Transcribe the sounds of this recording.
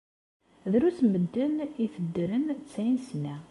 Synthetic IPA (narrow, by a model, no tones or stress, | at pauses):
ðɾut͡sməd̪ːəniθəd̪ːɾənt͡sːæinsnæ